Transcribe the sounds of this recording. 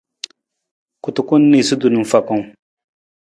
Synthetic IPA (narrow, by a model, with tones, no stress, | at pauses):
ku˨tu˨ku˦nːi˨su˦du˨nu˨fa˨ku˦˨ŋ